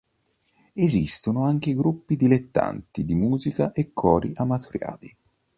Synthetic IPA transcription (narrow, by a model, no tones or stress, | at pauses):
ezist̪onoaŋk̟eɡɾupːid̪ilet̪ːa̰nt̪id̪imuːzikaʔekʰːɔːɾiʔamat̪ʰuɾja̰ːli